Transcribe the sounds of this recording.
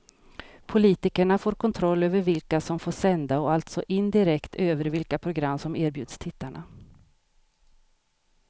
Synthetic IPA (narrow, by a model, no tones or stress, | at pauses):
pʰʊliːt̪ɪkəɳafoːɾkʰɔnt̪ʰɾɔlːøːvəɾvɪlkasɔmfoːʂɛnd̪aɔalt̪sɔʔɪnd̪ɪɾɛkt̪ʰøːvəɾvɪlkapʰɾʊɡɾamːsɔmæːɾbjʉ̟ːd̪st̪ʰɪt̪ʰːaɳa̰